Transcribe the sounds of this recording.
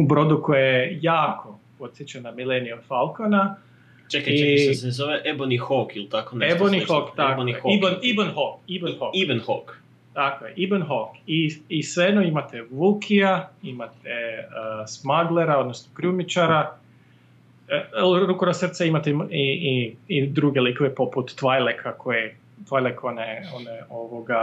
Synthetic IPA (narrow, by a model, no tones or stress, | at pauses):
ubɾo̞d̪ukojeejaːkʰo̞pod̪sjet͡ʃanamileniod̪̥falˠkona | t͡ʃekaiszoʋeʔebonixokilt̪akonebonixok̪akonieibnibənɦokibenhokiʋenhok | t̪akojeʔibenɦokiisʋed̪noimat̪ɛʋukʰiaimat̪ʰesmaɡleɾao̞d̪nosnokɾumit͡ʃaɾa | ɾukoɾasr̩t̪saimat̪eiiid̪ɾuɡelikoʋepoput̪ːʋajlekʰakʰoje | t̪ʋajlekʰoneoneoʋoɡa